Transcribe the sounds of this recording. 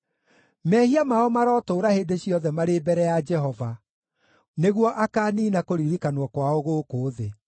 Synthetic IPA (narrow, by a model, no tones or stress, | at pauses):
mɛhiamaɔmaɾɔːtoːɾaheːndeɕiɔðɛmaɾebɛɾɛjad͡ʒɛɦɔva | neɣwɔʔakaːniːnakoɾiɾikanwɔkwaoɣoːkoːðe